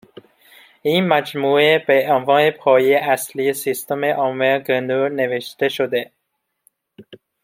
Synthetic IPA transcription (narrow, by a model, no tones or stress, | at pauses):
iːnmæd͡ʒmuːebeʔɔnvɒːnepʰɒːjeæsliesist̪omeʔɒːmeɡenuɾneveʃt̪eʃod̪e